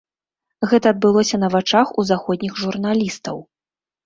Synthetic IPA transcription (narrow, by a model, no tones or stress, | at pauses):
ɣɛt̪ɐːd̪̚bɨlˠɔsʲɐnɐvat͡ʂaxuzaxɔd̪̚ʲnʲixʐurnalʲist̪ɐ̰w